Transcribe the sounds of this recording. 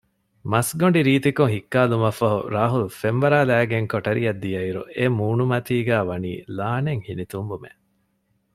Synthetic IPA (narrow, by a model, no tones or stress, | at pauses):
mɐsɡoɳɖiɾiːt̪ikuŋɦikːaːlumɐfɐɦṵɾaːɦulufenʋɐɾaːlæːɡeŋkoʈɐɾiɐd̪ːijɐiɾṵemuːnumɐt̪iːɡæːʋɐnḭːlaːneŋhinit̪umbumḛ